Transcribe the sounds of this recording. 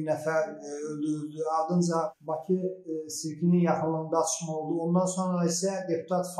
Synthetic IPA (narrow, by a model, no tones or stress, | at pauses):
nɛfæɾølʲd̪yɾylʲd̪yɑlˠd̪ɯnd͡ʒɑbɑcʰɯsiɾkʲʰininjɑxɯnlːˠɯnd̪ɑːt̪ʰʃmao̞lˠd̪uo̞nd̪ɑnso̞nɾaisɛd̪e̞pʰu̥t̪ʰɑt̪f